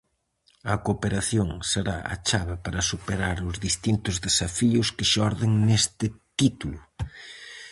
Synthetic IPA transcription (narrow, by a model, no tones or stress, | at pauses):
ɐkopeɾaθjoŋseɾa̰ɐ̰t͡ʃaβɪpaɾɐsupeɾaɾʊzðist̪int̪ʊzðesafiʊskɪʃɔɾðɪŋnest̪ɪt̪it̪ulʊ